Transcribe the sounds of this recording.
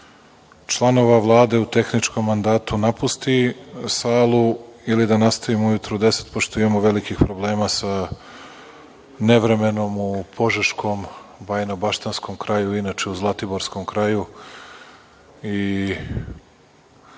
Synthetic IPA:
t͡ʃlˠano̞ʋaʋlˠaːd̪e̞ut̪e̞xnit͡ʃko̞mːand̪aːt̪unapust̪isaːlˠuilid̪anast̪aʋimujut̪ɾod̪e̞se̥t̪̚poʃt̪oimamoʋelikixpɾo̞ble̞ːmasa | neʋɾe̞me̞no̞mupʰo̞ʒaʃkʰo̞mbajnabaʃt̪ansko̞mkɾajuinat͡ʃe̞uzlˠat̪iboɾsko̞mkɾaju | i

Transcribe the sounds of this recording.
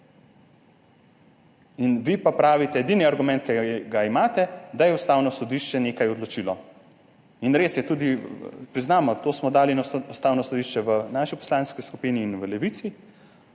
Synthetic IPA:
inʋipapɾaːʋit̪ɛɛd̪iniaɾɡumɛ̃nt̪̚kɛɡaimaːt̪ɛd̪ajɛust̪awnɔsɔd̪iʃt͡ʃɛneːkajɔd̪lɔt͡ʃilɔ | inɾeːsjɛt̪uːd̪ipɾiznaːmɔt̪oːsmɔd̪aːlinaust̪aːwnɔsɔd̪iʃt͡ʃɛʋənaːʃipɔ̥slaːnskiskupiniːnʋəlɛʋit̪si

